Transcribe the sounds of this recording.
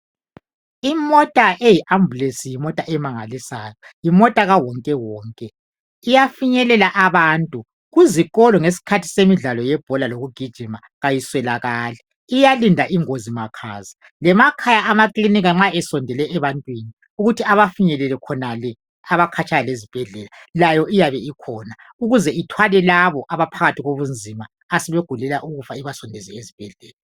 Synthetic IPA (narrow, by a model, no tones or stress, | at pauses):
imɔtʼaʔejiʔambulesijimɔtʼaʔɛmaŋalisaːjɔjimɔtʼaɣawɔŋkʼɛwɔːŋkʼɛ | ijafiɲɛlɛlaʔaβaːntʼu | ɣuziɣɔlɔŋes̬i̥kʰatʰi̥semiɮalɔjɛb̥ʱɔlaloɣuɡ̥ʱid̥ʒ̥ʱima | ɣajiswɛlaɣaːlɛ | ijalindʱaʔiŋozimakʰa̰ːza | lɛmakʰajaʔamakliniɣaŋ͡ǁaɛsɔndʱɛlɛʔːβantʼwini | uɣutʰiaβafiɲɛlɛlɛkʰɔnalɛ | aβakʰat͡ʃʰʼajalezib̥ʱɛɮɛlalajɔʔijaβɛikʰɔːna | uɣuzɛitʰwalɛlaβɔʔaβapʰaɣatʰiɣoβund͡zʱima | asɛβeɡ̥ʱulɛlaʔuɣufaiβasɔndʱɛzɛezib̥ʱɛɮɛːla